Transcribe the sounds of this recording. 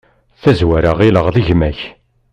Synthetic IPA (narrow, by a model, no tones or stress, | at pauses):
θæzwæɾaʁiləʁðiʝmæç